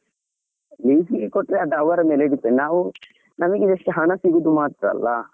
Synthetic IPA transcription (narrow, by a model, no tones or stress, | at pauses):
liːsiɡekoʈːɾeɐd̪ɐɐʋɐɾɐmeːleiɽit̪eninaːʋu | nɐmɐɡeeʂʈːuɦɐɳɐsiɡud̪umaːt̪ɾɐ̰lːɐ